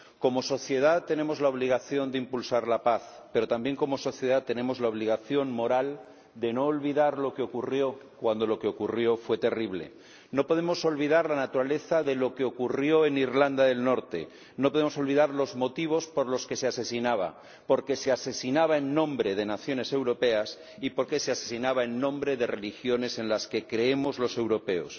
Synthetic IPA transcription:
ko̞mo̞so̞θje̞ð̞at̪ːe̞ne̞mo̞zlaoβ̞liɣ̞aθjo̞nd̪eimpulsaɾlapaθpe̞ɾo̞t̪ambje̞ŋko̞mo̞so̞θje̞ðat̪ːe̞nẽ̞mo̞zlaoβ̞liɣ̞aθjo̞nmo̞ɾal | d̪e̞no̞ːlβiðaɾlo̞keo̞kurjo̞kwand̪o̞lo̞keokurjo̞fwe̞t̪e̞riβle̞̰ | no̞po̞ð̞emo̞so̞lβiðaɾlanat̪uɾale̞θaðe̞lo̞keo̞kurjo̞e̞niɾland̪aðe̞lno̞ɾt̪e̞̰ | nopo̞ð̞emo̞so̞lβ̞iðaɾlo̞zmot̪iβ̞o̞spo̞ɾlo̞ske̞sease̞sinaβ̞a̰ | po̞ɾke̞sease̞sinaβ̞aenːõ̞mbɾe̞ðe̞naθjo̞ne̞se̞wɾo̞pe̞as | ipo̞ɾke̞se̞ase̞sinaβaenːõ̞mbɾe̞ðere̞lixjo̞ne̞se̞nlaske̞kɾe̞emo̞zlo̞se̞wɾo̞pe̞o̰s

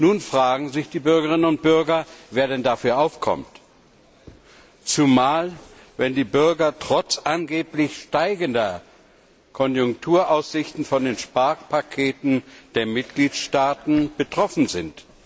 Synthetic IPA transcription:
nuːnfʁ̥aːɡŋ̩zɪçd̥iːbʏɐɡəʁɪnənʊnt̚b̥ʏɐɡɐveːɐɾɛndafyːɐʔaʊfkʰɔ̰mt | t͡sumaːl | vɛndiːbʏɐɡɐtʁ̥ɔt͡sʔanɡeːplɪçʃtaɪɡəndɐ | kʰɔnjʊŋktʰuːɐʔaʊsz̥ɪçtn̩fɔndeːnʃpaɐkpʰakʰeːtn̩d̥eːɐmɪtɡ̥liːtʃtaːtn̩b̥ətʁ̥ɔfn̩zɪnt

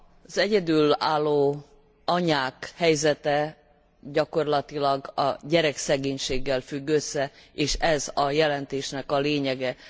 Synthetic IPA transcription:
z̥ɛɟɛd̪yːlaːlːoː | ɒɲaːkhɛjzɛt̪ɛ | ɟɒko̞rlɒt̪ilɒɡɒ̰ɟɛɾɛksɛɡeːɲʃeːɡːɛlfyɡːøsːɛeːʃɛzɒjɛlɛnt̪eːʃnɛkɒleːɲɛɡɛ

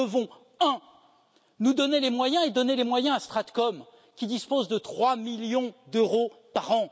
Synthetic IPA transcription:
əvɔ̃ | ɛ̃ | nud̪ɔnelemwajɛ̃ed̪ɔnelemwajɛ̃ast̪χat̪kɔm | kʲid̪ispozd̪ət̪χwamiljɔ̃d̪øʁopaʁɑ̃

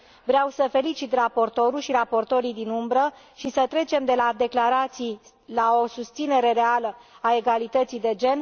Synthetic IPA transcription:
vɾeawsəfe̞lit͡ʃit̪rapo̞rt̪o̞ɾulʃiɾapo̞rt̪o̞ɾijd̪inumbɾə | ʃisət̪ɾe̞t͡ʃe̞md̪e̞lad̪e̞klaɾat̪sij | lao̞sust̪sine̞ɾe̞ɾealəae̞ɡalit̪ət̪sijd̪e̞d͡ʒe̞n

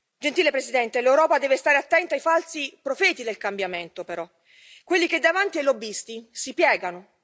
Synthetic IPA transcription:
d͡ʒent̪iːlepɾesid̪ɛnt̪elewɾɔːpad̪ɛːvest̪aːɾeat̪ːɛnt̪ajfalsipɾofɛːt̪id̪elkambjament̪opeɾɔ | kːwelːiked̪ːavant̪iajlobːist̪isipjɛːɡano

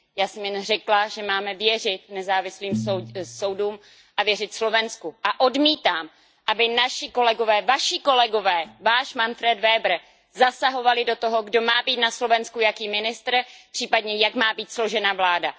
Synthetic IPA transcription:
jaːsɛmjɛnrɛklaʒɛmaːmɛvjɛr̝ɪt̪̚nɛzaːvɪsliːmoso̞wduːm | ʔavjɛrɪt̪slo̞vɛnskuʔaʔo̞dmiːt̪aːm | ʔabɪnaʃɪko̞lɛɡo̞vɛːvaʃɪko̞lɛɡo̞vɛːvaːʃmanfɾɛd̪vɛːbr̩ | zasaɦo̞valɪdo̞t̪o̞ɦo̞ɡdo̞maːbiːt̪naslo̞vɛnskujakiːmɪnɪst̪r̩pr̥iːpadɲɛjakmaːbiːt̪slo̞ʒɛnavlaːda

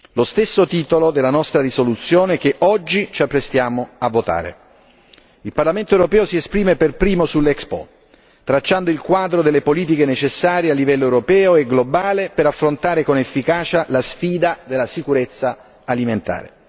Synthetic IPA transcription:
lost̪esːot̪iːt̪olod̪elːanɔst̪ɾarisolut̪sːjoːnek̟eʔɔd͡ʒːit͡ʃiapːɾest̪jaːmoavːot̪a̰ːɾḛ | ilparlament̪oewɾopɛːosiespɾiːmeperpɾiːmosulːɛkspɔ̰ | t̪ɾat͡ʃːand̪oilkwaːd̪ɾod̪elːepoliːt̪̬ikenet͡ʃesːaːɾjealːivɛlːoewɾopɛːoɛɡlobaːlepeɾafːɾont̪aːɾekonefːikaːt͡ʃalasfiːd̪ad̪elːasikuɾet̪sːaː | liment̪a̰ːɾḛ

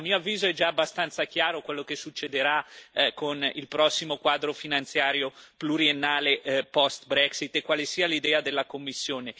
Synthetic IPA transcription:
amːioavːiːzoɛd͡ʒaːbːast̪ant̪sakjaːɾokwelːokesːut͡ʃːed̪eɾakonḭlpɾɔsːimokwaːd̪ɾofinant̪sjaːɾjopluɾienːaːlepɔst̪bɾɛksit̪ːekːwaːlesiːalid̪ɛːad̪elːakomːisːjoːne

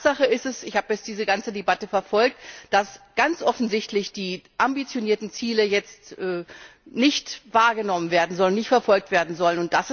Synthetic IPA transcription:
z̥aχəɪstɛsɪçhaːbəjɛt͡std̥iːzəɡant͡sədebatəfɛɐfɔlk̚td̥asɡ̥ant͡sʔɔfn̩zɪçtlɪçd̥iːʔambit͡sjoniːɐtn̩t͡siːləjɛt͡stʔɛːnɪçtvaːɐɡənɔmənveːɐdn̩zɔlnɪçtfɛɐfɔlk̚tv̥eːɐdn̩zɔlənʊnt̚d̥asɪ

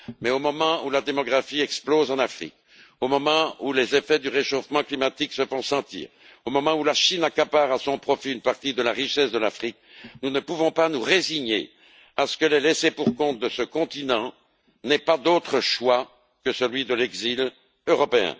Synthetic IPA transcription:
mɛomɔmɑ̃ulad̪emɔɡʁafiɛksplozɑ̃nafχḭk | omɔmɑ̃ulezefɛd̪yʁeʃofmɑ̃klimat̪iksəfɔ̃sɑ̃t̪ḭːʁ | omɔmɑ̃ulaʃinakapaʁasɔ̃pχɔfiynpaʁt̪id̪əlaʁiʃɛsd̪əlafχik̚ | nunəpuvɔ̃panuʁeziɲḛ | asə̥kəlɛlesepuʁkɔ̃t̪̚d̪əsəkɔ̃t̪inɑ̃ | nɛpad̪ot̪χəʃwa | kəsəlɥid̪əlɛɡzil | øʁɔpeɛ̰̃

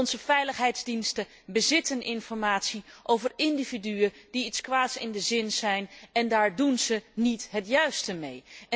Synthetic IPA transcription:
ɔnzəfɛjləχɦɛjdzdinstə | bəzɪtənɪnfɔɹmaːtsiʔowvərɪndividyəd̥iitskʋaːtsɪ̰ndəzɪnzɛjnɛndaːɹdunzənitɦətjœɥstəmej

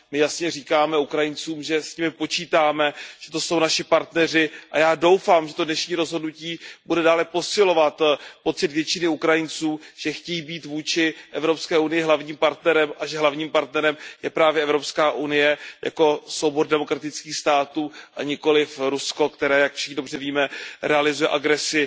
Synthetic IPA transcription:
mɪjasɲɛriːkaːmɛukɾajɪnt͡suːmʒɛsɲɪmɪpo̞t͡ʃiːt̪aːmɛʒ̥ɛt̪oso̞wnaʃɪpaɾt̪nɛr̝ɪʔajaːdo̞wfaːmʒɛt̪o̞dnɛʃɲiːɾozɦo̞dnuciːbudɛdaːlɛpo̞sɪlo̞vat̪po̞t͡sɪt̪vjɛt͡ʃɪnɪukɾajɪnt͡suːmʒ̥ɛxcɛjiːbiːt̪vuːt͡ʃɪʔɛvɾo̞pskɛːunɪjɪɦlavɲiːmpaɾt̪nɛɾɛmʔaʒɛɦlavɲiːmpaɾt̪nɛɾɛmjɛpɾaːvjɛɛvɾo̞pskaːʔunɪjɛja̰ko̞sowboɾdɛmo̞kɾat̪ɪt͡skiːxst̪aːt̪uːʔaɲɪko̞lɪfɾusko̞kt̪ɛɾɛːjakfʃɪxnɪdo̞br̝ɛviːmɛɾʔɛalɪzujɛ̰ʔaɡɾɛsɪ

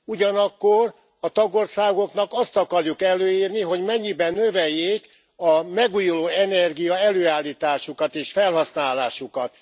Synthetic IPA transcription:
uɟɒnɒkːor | ɒt̪ɒɡo̞rsaːɡo̞kn̪ɒkɒst̪ɒkɒrjukɛlːøːiːrniɦo̞ɟmɛɲːibɛnːø̞vɛjːeːk | ɒmɛɡujuloːɛnɛrɡijɒɛløːaːlːiːt̪aːʃukɒt̪eːʃfɛlɦɒsnaːlaːʃukɒt̪

